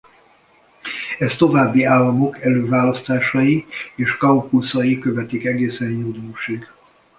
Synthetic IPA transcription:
ɛst̪o̞vaːbːiaːlːɒmo̞kɛløːvaːlɒst̪aːʃɒjieːʃkɒukusɒjikøvɛt̪ikɛɡeːsɛnjud̪oːʃiɡ

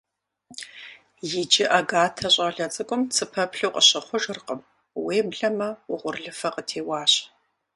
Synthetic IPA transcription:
jɪd͡ʒɪʔaɡaːtʰɐɕʼaːɮɐt͡sʼɨkʷʼʊmt͡sʰɨpʰɐpɬuwqʼəɕɐχʷʊʒɨrqəm | weːbɮɐmɐʊʁʷʊrɮɨfɐqʼətʰeːwɑːɕ

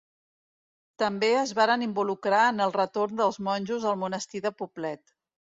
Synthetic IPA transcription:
t̪əmbeəzβaɾənimbulukɾaənəlˠrət̪ornd̪əlˠzmɔnʲʒuzðəlˠmunəst̪iðəpuplɛt̪

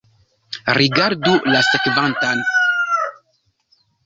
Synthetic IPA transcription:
ɾiɡaɾdulasekvantan

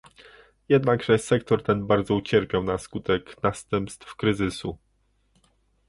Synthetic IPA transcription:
jɛd̪naɡʐɛsɛkt̪ɔɾt̪ɛnbaɾd̪zɔut͡ɕɛɾpʲjawnaskut̪ɛknast̪ɛmpst̪fkɾɘzɘsu

